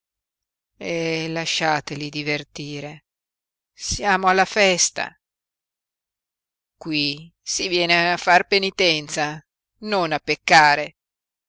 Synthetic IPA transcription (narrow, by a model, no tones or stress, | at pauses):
elaʃːaːt̪elid̪ivert̪iːɾe | sjaːmoalːafɛst̪a̰ | kwi | sivjɛːneafːarpenit̪ɛnt̪sa | nonapːekːaːɾe